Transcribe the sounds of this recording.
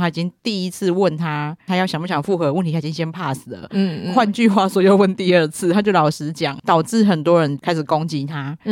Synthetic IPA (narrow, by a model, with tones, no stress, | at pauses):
t̪ʰa˥i˨˩t͡ɕi˦ŋt̪i˥˧˨i˦˥t͡s̩ʰ˥˧wə˥˨nt̪ʰa˥t̪ʰa˥jɑ˥˩ɕjŋm˥˩ɕjɑ˨˩ŋfu˥˩xɤ˧˦wə˥˩˨t̪ʰi˨˥ɕa˥˩˨i˥ŋɕjɛ˥npʰa˥˩sɹ̩˨˩lə̰˦˥˩kʰwa˥˧nt͡ɕy˥˧xwa˥˩swɔ˧˥jo˨˩ʊwə˥˨nt̪i˥˧ə˥˧t͡s̩ʰ˥˩t̪ʰa˥t͡ɕjo˥˩ʊlɑ˨˩ʊʂɻ̩˧˥t͡ɕjɑ˨˩˦ŋt̪ɑ˨˩ʊʈ͡ʂɻ̩˥˩xə˨˩nt̪wɔ˦˥ɻə˧˦nkʰa˥ɪʂɻ̩˨˩kɔ˦ŋt͡ɕi˧˥t̪ʰa˥